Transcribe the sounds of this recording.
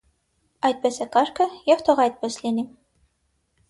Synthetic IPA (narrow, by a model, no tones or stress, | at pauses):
ɑjt̪̚bɛsɛkɑɾkʰəjɛft̪ʰɔʁɑjt̪̚bɛslini